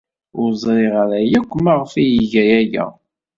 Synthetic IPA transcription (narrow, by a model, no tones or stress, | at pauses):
ʊɾzˤɾiʁaɾæjækʷːəmaʁfijiʝæjæʝæ̰